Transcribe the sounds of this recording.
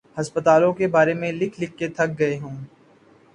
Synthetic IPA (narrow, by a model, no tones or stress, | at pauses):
hɐspət̪aːlõkebaːɾemẽlɪkʰlɪkːet̪ʰɐk̚ɡɐeɦũː